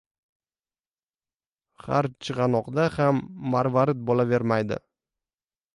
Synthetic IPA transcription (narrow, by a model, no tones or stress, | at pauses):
χa̰ɾt͡ʃʰɨʁɑnɒqd̪ahamːaɾvaɾɪt̪̚bɒlave̞ɾmajd̪ɪ̰